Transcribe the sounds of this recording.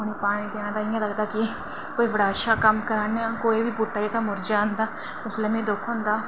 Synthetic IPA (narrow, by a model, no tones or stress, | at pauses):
ʊniːpaːɽ̃ĩd̪ɪãːnd̪aːĩẽləɡd̪aːki | koːibəɽaːʃaːkɐmkəɾaːneãːkoːibʱibuʈːaːik̪amʊɾd͡ʒaə̃nd̪aː | ʊsleːmẽːd̪oːkʰõːnd̪aː